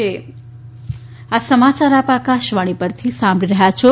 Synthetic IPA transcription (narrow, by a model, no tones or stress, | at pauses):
e | asəmat͡ʃaɾapakaʃʋaɽ̃ipəɾt̪ʰisãmbʱɽiɾəɦjat͡ʃʰo